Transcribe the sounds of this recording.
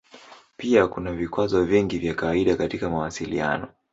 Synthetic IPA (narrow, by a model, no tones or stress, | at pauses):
piakunavikwazɔviŋɡivjakawaiɗakatikamawasilḭa̰nɔ